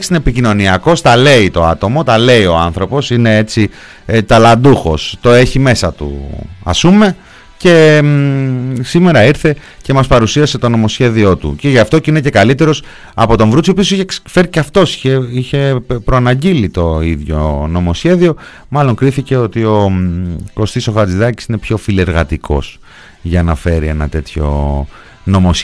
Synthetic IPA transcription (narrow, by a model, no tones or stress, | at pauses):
ksineepicino̞niɐko̞st̪ɐle̞it̪o̞̰at̪o̞mo̞t̪ɐle̞io̞anθɾo̞po̞sine̞e̞t͡si | t̪ɐlɐnd̪uxo̞̰st̪o̞e̞çime̞sɐt̪ṵɐ̰spume̞ | ce̞ | sime̞ɾɐiɾθe̞ | ce̞mɐspɐɾusiɐse̞t̪o̞no̞mo̞sçe̞ðio̞t̪ṵce̞ʝɐft̪o̞cinece̞kɐlit̪e̞ɾo̞s | ɐ̰po̞t̪oɱvɾut͡sio̞piosiçefe̞ɾiceɐft̪o̞siçeiçe̞pɾoɐnɐɟilit̪o̞iðʝo̞̰no̞mo̞sçe̞ðio̞ | mɐlo̞ŋkɾiθice̞o̞t̪io̞ | ko̞st̪iso̞xɐt͡siðɐci̥sine̞pço̞file̞ɾɣɐt̪ikʰo̞̰s | ʝɐnɐfe̞ɾie̞nɐ̰t̪e̞t̪ço̞̰ | no̞mos